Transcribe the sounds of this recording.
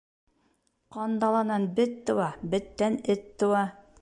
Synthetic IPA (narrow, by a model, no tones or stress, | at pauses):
qɑnd̪ɑlˠɑnɑnbɘt̪ːɤ̆wɑbɘ̆t̪ːænɘt̪ːŏwɑ